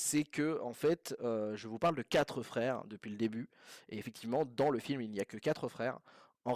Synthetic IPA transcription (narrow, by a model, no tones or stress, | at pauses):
sɛkəɑ̃fɛt̪øʒəvupaʁld̪əkʲat̪χəfχɛːʁd̪əpɥiləd̪eby | eefɛk̚t̪ʰivmɑ̃d̪ɑ̃ləfilmilnijakəkat̪χəfχɛːʁ | ɑ̃